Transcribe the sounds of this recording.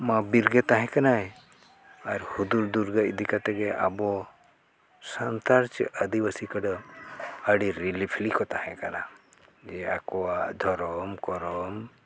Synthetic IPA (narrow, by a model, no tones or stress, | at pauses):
mabiɾɡet̪aɦɛ̃kanaj | aɾhud̪uɾd̪uɾɡaid̪ikat̪ɛɡeʔa̰bɔ | sənt̪aɾt͡ʃʔəd̪ibasikəɽɔ | əɽiɾilipʰlikɔt̪aɦɛ̃kana̰d͡ʒea̰koad̪ʱɔɾɔmkɔɾɔm